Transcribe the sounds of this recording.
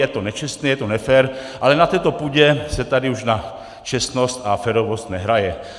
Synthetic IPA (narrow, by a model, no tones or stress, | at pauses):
jɛt̪onɛt͡ʃɛst̪nɛjɛt̪onɛfɛɾʔalɛnat̪ɛːt̪o̞puːɟɛsɛt̪adɪuʃna | t͡ʃɛst̪nost̪afɛɾovo̞st̪nɛɦɾajɛ